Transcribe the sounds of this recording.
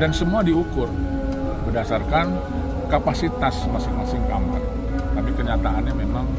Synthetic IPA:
dansəmuadiukʊr | bədasarkan | kapasit̪asmasɪŋmasɪŋkama̰r | k̪amikəɲat̪aanɲamemaŋ

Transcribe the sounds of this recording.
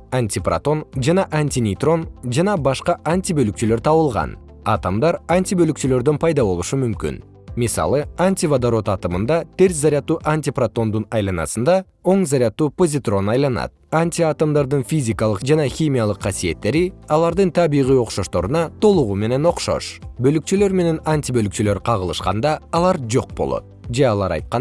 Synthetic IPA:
anʲtʲipra̰t̪o̞nʒɑnɑʔanʲtʲinʲit̪ro̞nd͡ʒɑnɑbɑʃqɑʔanʲtʲibølykt͡ʃylø̞ɾt̪ʰɑβəlˠʁɑ̰n | ɑt̪amd̪ɑɾanʲt̪ʲibølyk̚t͡ʃylø̞ɾd̪ønpʰɑjd̪ɑbo̞lˠuʃumymkʲḭn | misɑ̰lˠəanʲtʲivad̪aɾo̞t̪ɑt̪əmənd̪ɑt̪ʰe̞ɾ̬zaɾʲijat̪ːuːʔanʲtʲiprat̪o̞nd̪unɑjlˠɑnɑ̰sənd̪ɑ | o̞ɴzaɾʲjat̪ːuːpo̞zʲɪt̪ro̞nɑjlˠɑnɑ̰t̪̚anʲtʲiat̪amd̪ɑɾd̪ɯnfʲizʲikalˠəqd͡ʒɑnɑxʲimʲijalˠəqʰːɑsije̞t̪ːe̞ɾiɑlˠɑɾd̪ɯnt̪ʰɑbiʁijo̞qʃo̞ʃt̪o̞ɾunɑt̪ʰo̞lˠuʁume̞ne̞no̞qʃo̞̰ʃbølykt͡ʃylø̞ɾme̞ne̞nanʲt̪ʲibølyk̚t͡ʃylø̞ɾqʰɑʁəlˠɯʃqɑ̰nd̪ɑːlˠɑɾd͡ʒo̞q̚bo̞̰lˠo̞̰t̪̚d͡ʒe̞ɑlˠɑɾɑ̰jt̪̚qɑ

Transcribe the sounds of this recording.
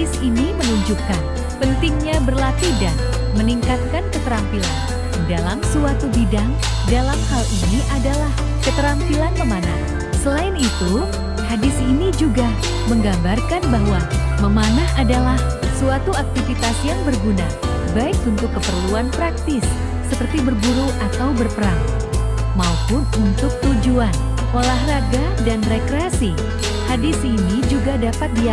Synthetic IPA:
isinimənuɲd͡ʒukan | pənt̪ɪŋɲabərlat̪idan | məniŋkat̪̚kankət̪əɾampila̰n | dalamsuat̪ubidaŋ | dalamhaliniʔadalah | kət̪əɾampilanməmanah | səlaɪnit̪u | hadɪsinid͡ʒuɡa | məŋɡambarkanbaɦwaməmanaadalah | suat̪uak̚t̪ifit̪asjaŋbərɡuna̰ | baɪkunt̪ʊkːəpərluanpɾak̚t̪ɪsː | əpərt̪ibərbuɾuʔat̪awbərpəɾaŋ | maupʊnunt̪ʊk̚t̪ud͡ʒuan | ʔolahraɡa | danrekɾeasi | hadɪsinid͡ʒuɡadapat̪̚dia

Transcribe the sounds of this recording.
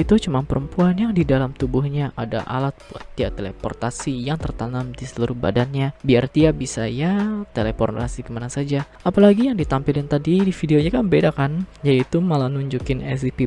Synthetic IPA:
it̪ut͡ʃumanpəɾʔəmpuanjaŋdidalamt̪ubʊhɲaʔa̰da̰ʔa̰lat̪̚bua̰t̪ːiaʔt̪elḛpɔrt̪asijaŋt̪ərt̪anamdisəluɾʊhba̰danɲabiart̪iaʔbisajat̪elepɔnra̰sikəmanasad͡ʒa | apalaɡijaŋdit̪ampɪlant̪adidifideoɲakanbedakanjadiːt̪umalanuɲd͡ʒukɪnɛs̬ipi

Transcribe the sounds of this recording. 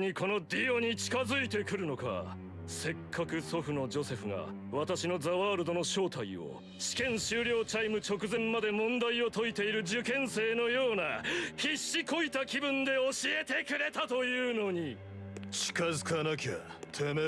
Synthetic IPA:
ikʰo̞no̞d̪ʲio̞ɲ̟it͡ɕi̥kazɨit̪e̞kɯ̟ɾɯ̟no̞ka̰ | se̞kʰːakɯ̟so̞ɸɯ̟no̞d͡ʑo̞se̞ɸɯ̟ŋa̰ | βat̪aɕino̞zaβaːɾɯ̟d̪o̞no̞ɕo̞ːt̪aio̰ | ɕi̥kẽ̞ɰ̃ɕɨːɾʲjo̞ːt͡ɕaimɯ̟t͡ɕo̞kɯ̟zẽ̞mːad̪e̞mõ̞nd̪aio̞t̪o̞it̪e̞iɾɯ̟d͡ʑɨkẽ̞ɰ̃se̞ːno̞jo̞ːnaçiɕːiko̞it̪akʲibɯ̟̃nd̪e̞oɕie̞t̪e̞kɯ̟ɾe̞t̪at̪o̞jɯ̟ːno̞ɲ̟i | t͡ɕi̥kazɨkanakʲat̪ʰeme

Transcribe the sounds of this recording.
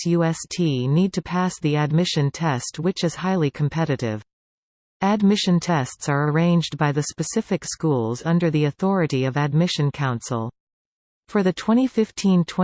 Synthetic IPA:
jʉɛstʰinid̚tʰɨpʰæsðiɨd̚mɪʃɨ̃ntʰɛst̚wɨt͡ʃɨz̥haɪlˠikʰm̩pʰɛɾɨɾɪ̰v | ɨd̚mɪʃɨ̃ntʰɛstsə˞ə˞ẽɪ̃nd͡ʒbaɪðɨspɨsɪfɨkskulˠzʌ̃ndə˞ðiɨθɔɹɨɾiʌvɨd̚mɪʃɨ̃nkʰãʊ̃nsl̩ˠ | fə˞ðɨtʰw̥ɛ̃ɾ̃ifɪftʰĩntʰwɛ̃

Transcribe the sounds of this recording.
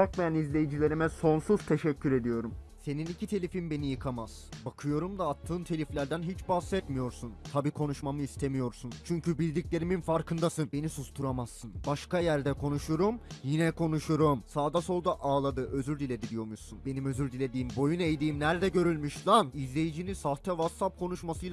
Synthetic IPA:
bakmajanizlʲe̞jid͡ʒilʲe̞ɾimɛso̞nsuz̥t̪ʰe̞ʃɛcːyɾe̞d̪ijo̞ɾum | se̞ninicʰit̪ʰe̞lʲifinbe̞nijɯkʰamaz̥bakʰɯjo̞ɾumd̪aːt̪ʰːɯːnt̪ʰe̞lʲiflʲæɾd̪ænɦit͡ʃbasɛt̪mijo̞ɾsunt̪ʰabiːkʰo̞nuʃmamɯist̪ʰe̞mijo̞ɾsunt͡ʃʰyɲcybilʲd̪ʲiclʲe̞ɾiminfaɾkʰɯnd̪asɯnbe̞nisuzt̪ʰuɾamasːɯnbaʃkajæɾd̪ɛkʰo̞nuʃuɾumjinɛkʰo̞nuʃuɾumsaːd̪aso̞lˠd̪aʔaːlˠad̪ɯʔø̞zyɾd̪ilʲe̞d̪id̪ijo̞musunbe̞nimø̞zyɾd̪ilʲe̞d̪iːmbo̞junejd̪iːmnæɾd̪ɛɟø̞ɾylʲmyʃlˠanizlʲe̞jid͡ʒinisaht̪ʰɛvat̪sap̚kʰo̞nuʃmasɯjlˠa

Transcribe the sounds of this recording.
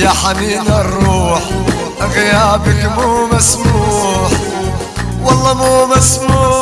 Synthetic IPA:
jaħaniːnarˤːuːħ | ʔaɣɪjaːbɪkmuːmasmuːħ | wɑlˤːɑmuːmasmuː

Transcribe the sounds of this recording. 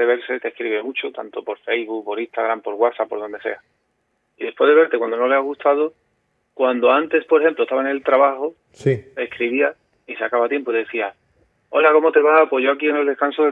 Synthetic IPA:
eβe̞ɾset̪ehkɾiβemut͡ʃot̪a̰nt̪o̞po̞ɾfejzβukpo̞ɾist̪aɣ̞ɾampo̞ɾɣwasapːo̞ɾðo̞nd̪e̞se̞̰a | iðe̞pwe̞zðe̞βe̞ɾt̪ekwand̪ono̞le̞aɣust̪að̞o | kwand̪oant̪e̞spoɾexe̞mplot̪aβaene̞lt̪ɾaβaxo | sie̞skɾiβia | isakaβat̪je̞mpoðeθia | o̞lako̞mo̞t̪e̞βapwo̞zʝo̞akie̞ne̞ld̪ehkansoðe

